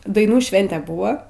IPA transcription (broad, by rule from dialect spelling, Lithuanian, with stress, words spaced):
dɐɪˈnuː ˈʃʲʋʲɛnʲtʲɛ ˈbuːʋɐ